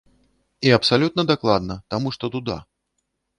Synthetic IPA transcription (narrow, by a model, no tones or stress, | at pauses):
iɐpsalʲut̪nɐd̪aklˠad̪nɐt̪amuʂt̪ɔt̪ud̪a̰